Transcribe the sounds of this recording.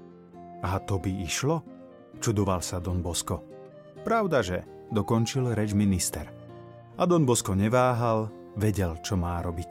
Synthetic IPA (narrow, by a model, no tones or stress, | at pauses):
at̪ɔbiiʃlɔ | t͡ʃud̪ɔʋalsad̪ɔnbɔskɔ | pɾaʊd̪aʒɛ̰ | d̪ɔkɔnt͡ʃilɾɛd͡ʒminist̪ɛɾ | ad̪ɔnbɔskɔɲɛʋaːɦal | ʋɛɟɛlt͡ʃɔmaːɾɔbic